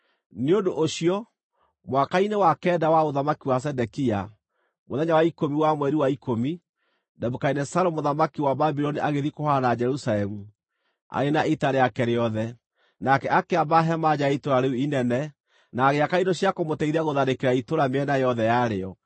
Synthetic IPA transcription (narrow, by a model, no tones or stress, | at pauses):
neodoʔoɕiɔ | mwakainewakɛːdawaoðamakiwas̬ɛdɛkia | moðɛɲawaikomiwamwɛɾiwaikomi | dɛbukainɛsaɾomoðamakiwababiɾɔniʔaɣeðikohanad͡ʒɛɾusalɛmu | a̰ɾenaʔitaɾeakɛɾeɔðɛ | nakɛʔakeabaɦɛmad͡ʑaitoɾaɾeuinɛnɛ | naɣeakainɔɕjakomotɛiɾaɣoðaɾekeɾaitoɾameɛnajɔðɛjaɾeɔ